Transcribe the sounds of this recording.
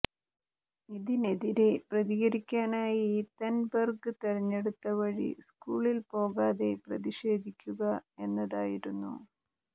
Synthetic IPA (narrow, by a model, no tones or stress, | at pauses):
iðine̞ðiɾe̞prɐðiɣɐɾikʲːaːnaːjiiːt̪ɐnbɐrɡɨt̪eɾɐɲːeɽut̪ːɐʋɐɻḭskuːɭilpo̞ːɣaːðe̞prɐðiʂe̞ːd̪ʱikʲːuɣɐe̞nːɐðaːjiɾunːṵ